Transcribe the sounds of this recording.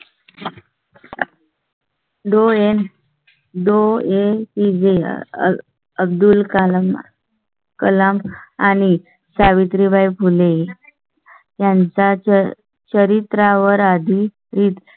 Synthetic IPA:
ɖoen | d̪oepid͡zḛ | əb̚d̪ulkalm | kəlamañi | saʋit̪ɾibʱajpʰule | jãnt͡sa | t͡ɕəɾit̪ɾaʋəɾad̪ʱi | ɾiːt̪

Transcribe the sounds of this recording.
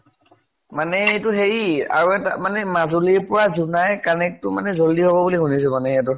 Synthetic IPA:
manɛetʊɦeɹia̰ɹuɛta̰manɛmazuliɹpʊɹazunajkanɛk̚tʊmanɛzoldiɦobɔbuliɦunis̬ɛmanɛɛt̬ɔ

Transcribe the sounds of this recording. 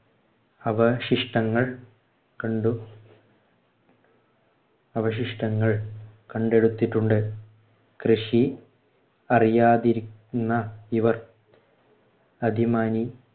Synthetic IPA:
ɐʋɐɕiʂʈɐŋːɐɭ | kɐɳɖu | ɐʋɐɕ̬iʂʈɐŋːɐɭkɐɳɖe̞ɽut̪ːiʈːuɳɖɨ | krɨʂi | ɐrijaːðiɾikʲunːɐiʋɐr | ɐd̪ʱimaːni

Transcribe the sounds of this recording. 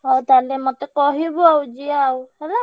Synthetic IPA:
ɔt̪alɛmɔt̪ɛkɔɦibawd͡ʒiawhɛla

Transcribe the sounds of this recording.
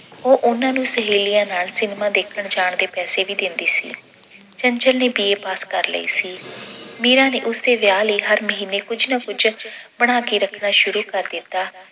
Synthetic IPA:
oːʔʊnãːnũːsəɦiːlijãːnaːlsɪnmãːd̪eːkʰəɳd͡ʒaːɳd̪eːpɛːseːʋiːd̪ɪnd̪iːsḭː | t͡ʃəɲd͡ʒəlneːbiːeːpaːskəɾlə̰ḭːsiːmiːɾãːneːʔʊsd̪eːʋjaːliːɦəɾməɦiːneːkʊd͡ʒnaːkʊd͡ʒbəɽ̃aːkiːɾəkʰnaːʃʊɾuːkəɾd̪ɪt̪ːaː

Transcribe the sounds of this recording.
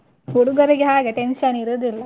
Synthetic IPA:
huɽuɡɐɾiɡeɦaːɡeʈenʃɐniɾud̪ilːɐ

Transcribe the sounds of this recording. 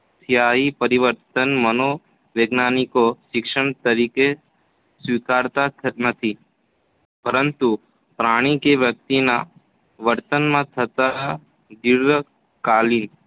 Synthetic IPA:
t̪ʰjaɦipəɾiʋəɾt̪ənməno | ʋeɡnanikoʃɪkʃəɳt̪əɾike | sʋikaɾt̪anət̪ʰi | pəɾənt̪u | pɾaɽ̃ikeʋjək̚t̪ina | ʋəɾt̪ənmãt̪ʰət̪a | d̪iɾə | kalin

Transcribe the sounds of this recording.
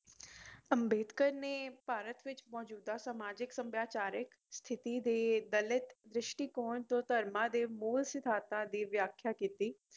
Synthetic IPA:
əmbeːd̪kəɾneːpaːɾət̪ʋɪt͡ʃmɔːd͡ʒuːd̪aːsamaːd͡ʒɪksəmbjaːt͡ʃaːɾɪk | st̪ʰɪt̪iːd̪eːd̪əlɪt̪d̪ɾɪʃʈiːkoːɳt̪õːt̪əɾmãːd̪eːmuːlsɪt̪ʰaːt̪ãːd̪iːʋjaːkʰjaːkiːt̪iː

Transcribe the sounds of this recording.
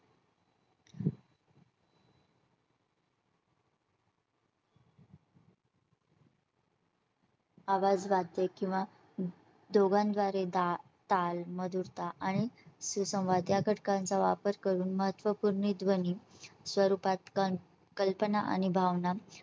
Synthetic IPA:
aʋad͡zʋad̪jekĩw̃ʋa | d̪oɡãnd̪ʋaɾed̪a | t̪alməd̪uɾt̪aʔaɽ̃isusə̃w̃ʋad̪jakəʈʰkãnt͡saʋapəɾkəɾuːnməɦət̪ʋəpuɾɳid̪ʋənisʋəɾupat̪ | kəlpənaʔa̰ñibʱaʋna

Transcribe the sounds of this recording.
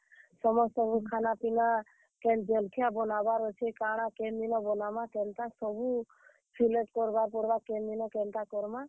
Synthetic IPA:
sɔmɔstɔbukʰanapina | kɛnd͡ʒelkʰijabɔnabaɾɔt͡ʃʰikaɽ̃akenbinɔbɔnamakɛnt̪asɔbu | pʰileʈkɔɾbaɾp̬ɔɽbakɛnbinɔkɛnt̪akɔɾma

